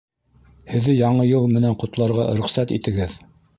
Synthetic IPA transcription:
hɘ̆ðːɘjɑɴɤjɤlˠmɘ̆nænqŏt̪lˠɑɾʁɑɾɵ̆χsæt̪ḭt̪ɘ̆ɡɘð

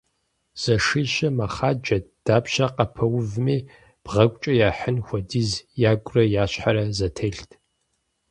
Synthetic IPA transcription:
z̥ɐʂiɕɐmaχaːd͡ʒɐd̥aːpʃaqɐpʰɐwvmeː | b̥ʁɐkʷʼt͡ʃʼɐjaːħənxʷɐdizjaːɡʷʼrɐjaːɕħaɾɐzɐtʰeɬtʰ

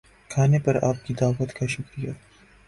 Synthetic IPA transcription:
kʰaːnepɐɾaːp̚kid̪aːʋət̪kaʃʊkɾija

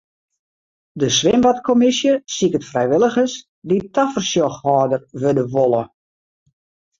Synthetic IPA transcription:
dəsʋɪmʋatkʰomɪsjəsikətfrɛjʋɪlˠəxəs | ditʰafərsjɔxhɔːdərʋødəʋolˠə

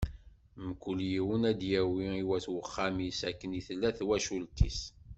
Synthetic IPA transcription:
məkʷːəljiwənæd̪jæwiiwæθwəχːamisækːəniθlːæθwæʃult̪ḭs

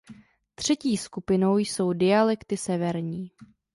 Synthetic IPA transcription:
t̪r̝̥ɛciːskupɪno̞wjso̞wdɪalɛkt̪ɪsɛvɛɾɲiː

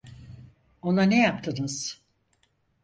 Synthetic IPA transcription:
o̞nanejapt̪ʰɯnɯz̥

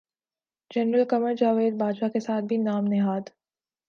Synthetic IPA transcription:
d͡ʒɛnɾəlkɐməɾd͡ʒaːʋeːd̪̚baːd͡ʒakesaːt̪̚ʰbʱinaːmnɪɦaːd̪

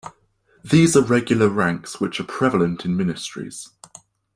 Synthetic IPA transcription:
ðiːzəɹɛɡjl̩ˠəɹãŋkswɪt͡ʃəpʰɹ̥ɛvələ̃ntʰɪ̃nmɪnɪstɹ̥ḭz̥

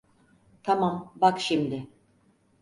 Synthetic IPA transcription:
t̪ʰamambakʃimd̪ɪ

